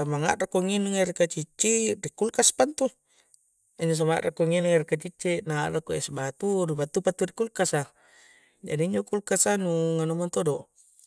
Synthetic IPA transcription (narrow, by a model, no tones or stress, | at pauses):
samaŋa̰ʔrakoŋinuŋeɾikat͡ʃit͡ʃːirikulkaspant̪u | iɲd͡ʒos̬ama̰ʔrakoŋinaŋeɾikat͡ʃit͡ʃːinaːrakoesbat̪uɾibat̪upat̪ːurikulkasa | d͡ʒa̰diiɲd͡ʒokulkasanuŋanumant̪odo